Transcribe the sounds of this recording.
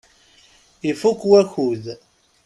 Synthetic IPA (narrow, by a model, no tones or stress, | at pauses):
ifukːwæçuð